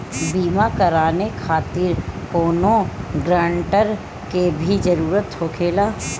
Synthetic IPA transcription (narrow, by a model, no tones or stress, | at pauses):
biːmakɐɾaːnekʰaːt̪ɪɾkoːnõɡɾaːɳʈəɾ | kebʱid͡ʒəɾuːɾət̪hokʰeːlaː